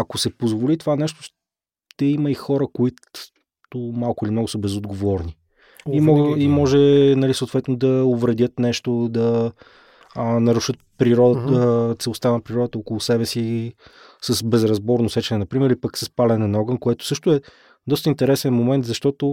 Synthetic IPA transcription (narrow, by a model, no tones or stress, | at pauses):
ɐkosɛpozvolit̪ovanɛʃt̪ʊ̥ | t̪ɛiməixɔɾəkoit̪ | t̪ʊmalˠkʊilimnɔɡʊsəbɛzod̪ɡovɔɾni | imɔɡimɔʒɛnɐlisoːt̪vɛt̪nod̪ɐovɾɛd̪ʲjət̪nɛʃt̪od̪ɐ | nɐɾuʃət̪̚pɾiɾɔd̪ət̪sɛlˠost̪anɐpɾiɾɔd̪ət̪əokolˠʊsɛbɛsi | səsbɛzɾɐzbɔɾnosɛt͡ʃɛnɛnɐpɾimɛɾilipəksəspalɛnɛnɔɡənkoɛt̪ʊ̥sɤʃt̪ʊɛ | d̪ɔst̪əint̪ɛɾɛsɛnmomɛnt̪zɐʃt̪ɔt̪o